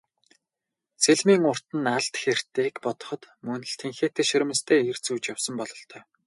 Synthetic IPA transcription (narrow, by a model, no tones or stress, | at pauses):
seɮmiːŋʊr̥t̪ɘ̆naɮt̪xer̥t̪eːkpɔt̪ɞ̥̆χɞ̆t̪mɵnɘ̆ɬt̪ʰeŋxeːt̪ʰeːʃɵɾ̆ʲmə̆st̪ʰeːer̥t͡suːt͡ɕjawsə̆mpɔɮɞ̆ɬt̪ʰœː